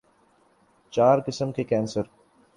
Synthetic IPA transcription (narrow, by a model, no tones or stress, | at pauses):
t͡ʃaːɾkɪsəmkekɛ̃ːnsəɾ